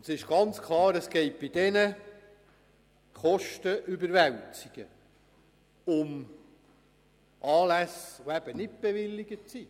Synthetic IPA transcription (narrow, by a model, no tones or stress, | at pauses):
sɪʃɡ̥ɑnt͡skʰlɑːɾəsɡ̥ɛɪt̚b̥ɪdɛnə | χɔʃtəʔybəɾʋæwt͡sɪɡ̥ə | ʊm | ʔɑːlæsoæb̥ənɪt̚b̥eʋɪlːɪɡət͡si